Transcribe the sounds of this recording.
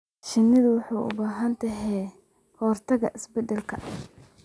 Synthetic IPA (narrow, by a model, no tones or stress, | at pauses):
ʃɪnːɪðʊwɑħuːʔʊ̰baːɦɐnt̪ʰɐɦɛː | hɔːrt̪ʰɐɣɐʔɪsbɛd̪ɛlkʰɐ